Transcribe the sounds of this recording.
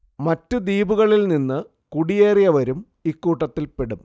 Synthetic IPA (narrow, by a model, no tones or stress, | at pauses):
mɐtːɨd̪iːbuɣɐɭilninːɨ | kuɽijeːrijɐʋɐɾum | ikːuːʈːɐt̪ːilpeɽum